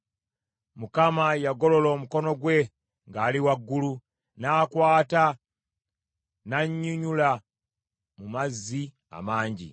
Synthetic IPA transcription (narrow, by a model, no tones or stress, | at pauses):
mukamajaɡo̞lo̞lo̞ːmuko̞no̞ɡwe̞ | ŋɡaːliwaɡːulu | naːkwaːta | naɲːuɲula | mumazːi | a̰maːɲɟḭ